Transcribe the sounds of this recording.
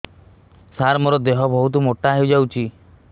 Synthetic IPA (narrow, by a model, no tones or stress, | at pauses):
saɾmɔɾɔd̪eɦɔbʱɔɦut̪̬umoʈaɦewd͡ʒawt͡ʃʰi